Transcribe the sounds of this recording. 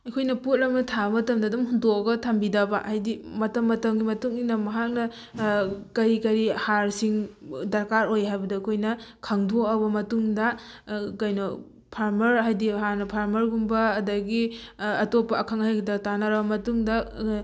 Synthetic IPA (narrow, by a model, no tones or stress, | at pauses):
ɐkʰojnɐput̚lɐknɐtʰabɐmɐtɐmdɐːdumɦundokɐɡɐtʰɐmbidɐbɐʔajdimɐtɐmːɐtɐmɡimɐtuŋinɐmɐɦak̚nɐ | kɐɾikɐɾihaɾsiŋdɐɾkaɾojɦajbɐdɐɐkʰojnɐkʰɐŋdoɐbɐmɐtuŋdɐkɐjno | pʰaɾmɐɾɦajdiɦaɾnɐpʰaɾmɐɾɡumbɐːdɐɡiɐtopːɐːkʰaŋhajɡidɐtanɐɾɐbɐmɐtuŋdɐ